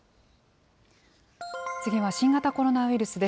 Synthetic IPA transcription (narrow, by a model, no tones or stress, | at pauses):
t͡sɨɡʲiβaɕĩŋɡat̪ako̞ɾo̞naɯ̟iɾɯ̟sɨd̪e̞